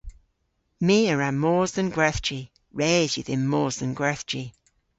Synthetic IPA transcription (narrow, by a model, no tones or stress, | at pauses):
miːəɹamɔːzənɡwɛˑθt͡ʃi | ɹɛːzjəðɪnmːɔːzə̃nɡwɛθi